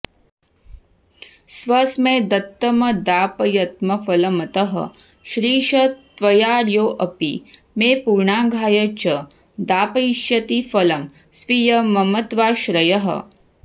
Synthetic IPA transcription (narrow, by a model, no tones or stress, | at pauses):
sʋɐsmẽːd̪ɐt̪ːɐmɐd̪aːpɐjɐt̪mɐfɐlɐmɐt̪ɐɦɐ̰ | ʃɾiːʃɐt̪ʋɐjaːɾjoːʔɐpi | meːpuɾɳaːɡʱaːjɐt͡ʃɐ | d̪aːpɐjʃjɐt̪ifɐlɐm | sʋijɐmɐmɐt̪ʋaːʃɾɐjɐɦɐ̰